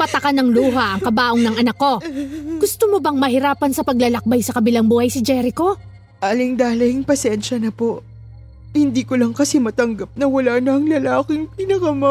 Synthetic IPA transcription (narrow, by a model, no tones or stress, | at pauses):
pɐt̪ɐkanɐŋluːɦɐʔɐŋkɐbaːʔoŋnɐŋʔɐnɐkːo̞ɡʊst̪omobɐŋmɐɦɪɾaːpɐnsɐpɐɡ̚lɐlɐk̚bajsɐkɐbɪlaŋbuːhɐjsɪd͡ʒɛɾɪko̞ | ʔaːlɪŋd̪aːlɐɪŋpɐsɛnʃɐnɐpo̞ʔ | hɪnd̪iːkolɐŋkɐsɛmɐt̪ɐŋɡɐp̚nɐwɐlaːnɐŋlɐlaːkɪŋpɪnɐkɐmɐ